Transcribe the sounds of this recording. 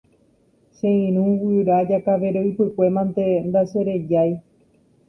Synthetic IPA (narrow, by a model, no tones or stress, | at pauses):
ʃẽĩɾ̃ũwiɾad͡ʒakaʋe̞ɾoipɨkʷe̞mãnt̪e̞nd̪aʃeɾe̞d͡ʒaj